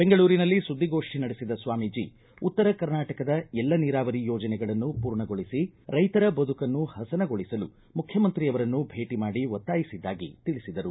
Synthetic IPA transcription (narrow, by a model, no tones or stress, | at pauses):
b̥e̞ŋɡɐɭuːɾinɐlːisud̪ːiɡo̞ːʂʈinɐɽesid̪ɐsʋaːmid͡ʒḭ | ut̪ːɐɾɐkɐɾnaːʈɐkɐd̪ɐɛlːɐniːɾaːʋɐɾijɔːd͡ʒɐnɛɡɐɭɐnːupuːɾɳɐɡoɭisiɾɐjt̪ɐɾɐbɐd̪ukɐnːuhɐsɐnɐɡo̞ɭisɐlu | mukʰjɐmɐnt̪ɾiɐʋɐɾɐnːubʱe̞ːʈimaːɽiʋɔt̪ːaːjisid̪ːaːɡḭt̪iɭisid̪ɐɾu